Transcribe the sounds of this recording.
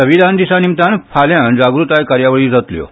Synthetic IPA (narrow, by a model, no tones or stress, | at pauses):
əʋid̪ʱand̪isanimt̪anfʰaljãnd͡zaɡɾut̪ajkaɾjaʋəɭiːd͡zat̪ljo̰